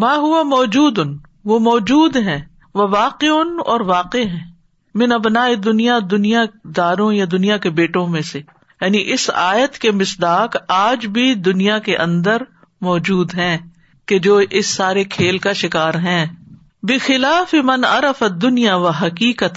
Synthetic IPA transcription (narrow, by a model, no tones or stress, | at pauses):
mãːɦʊamɔːd͡ʒuːd̪ʊn | ʋomɔːd͡ʒuːd̪ɦɛ̃ː | ʋɐʋaːqeʊnɔ̰ːɾʋaːqeɦɛ̃ː | mɪnɐbnaːed̪ʊnijad̪ʊnijad̪aːɾõjad̪ʊnijakebeːʈõmẽse | jaːniʔɪsaːjət̪kemɪsd̪aːkaːd͡ʒbʱid̪ʊnijakeʔɐ̃nd̪əɾ | mɔːd͡ʒuːd̪ɦɛ̃ː | ked͡ʒoːʔɪsːaːɾekʰeːlkaʃɪkaːɾɦɛ̃ː | bɪxɪlaːfɪmɐnɐ̰ɾɐfɐd̪ːʊnijaʋɐɦɐkiːkət̪